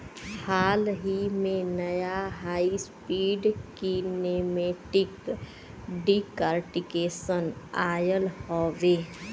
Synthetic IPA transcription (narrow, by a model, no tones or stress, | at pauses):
hʰaːlɦimẽnəjaɦaːispiːɖkineːmeːʈɪk | ɖikəɾʈɪkeːsənaːjəlhoːʋeː